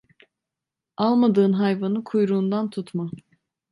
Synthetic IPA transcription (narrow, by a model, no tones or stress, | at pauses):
alˠmad̪ɯːnɦajvanɯkʰujɾuːnd̪ant̪ʰut̪ʰma